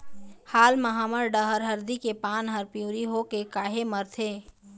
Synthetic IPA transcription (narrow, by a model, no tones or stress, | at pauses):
haːlməɦaːməɾɖəɦəɾɦəɾd̪ikepaːnɦəɾpijũːɾiɦokekaːɦeməɾt̪ʰeː